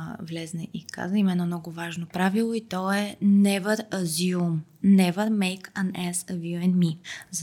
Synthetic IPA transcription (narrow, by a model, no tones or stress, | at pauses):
vlɛznɛʔika̰zəimɛnɔmnɔɡʊvaʒnopɾavilˠoit̪ɔɛnɛvəɾəziumnɛvəɾmɛjkɐnɛsəvjuɛnmiz